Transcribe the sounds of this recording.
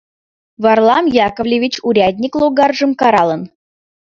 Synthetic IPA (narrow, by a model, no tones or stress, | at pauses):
vɑrlˠɑmjɑkəvlʲevʲit͡ɕuɾʲad̪ʲnʲiklˠoɡɑrʐəmkɑɾɑlˠən